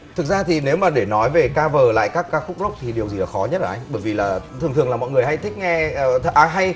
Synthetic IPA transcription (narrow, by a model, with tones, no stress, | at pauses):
t̪ʰɨ˨˩k̚zaː˧t̪ʰi˨˩ne˨˦wmaː˨˩ɗe˧˩nɔ˨˦jve˨˩kaː˧vəː˨˩la̰ː˧˨jkaː˦˥kːaː˧kxʊ˦˥k͡p̚zo˦˥k͡p̚t̪ʰi˨˩ɗi˨˩əwzi˨˩laː˨˩xɔ˨˦ɲə˦˥t̚əː˧˨˩ʔa˧ŋɓəː˧˩jvi˨˩laː˨˩t̪ʰɨ˨˩ət̪ʰəlaː˨˩mɔ̰˧˨jŋɨ˨˩əjha˧jt̪ʰï˦˥k̟̚ŋɛ˧˩ʔaː˨˦ɦa˧j